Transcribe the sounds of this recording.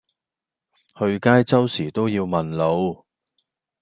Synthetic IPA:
hɵ˧ɥkaː˥jt͡sɐ˥wsiː˨˩t̪o˥wjiː˧wmɐ˨nlo˨˧w

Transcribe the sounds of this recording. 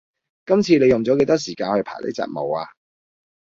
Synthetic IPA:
kɐ˥mt͡sʰiː˧ne˨˧jʊ˨˩ŋt͡sɔː˨˥ke˨˧˥t̪ɔː˥siː˨˩kaː˧nhɵ˧ɥpʰaː˨˩lḛ˥t͡sa̰ː˧t̚mo˨˧waː˧

